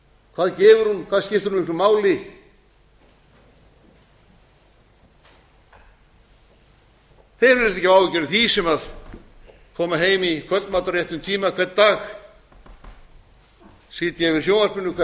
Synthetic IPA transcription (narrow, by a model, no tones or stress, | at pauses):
kʰvaːðcɛːvʏɾhunkʰvaːðscɪft̪ʏɾunikʰlʏmaːwlɪ | θejɾvɪɾst̪ɛhcɪvaːwvɪcɛɾɪθisɛmað | kʰɔːmaɦeːjmikʰœmaːt̪aɾrjeht̪ʏmt̪ʰiːmakʰvɛt̪̚ːaːx | siːt̪jɛvɪɾ̥sjoːwnaspɪnːʏkʰvɛ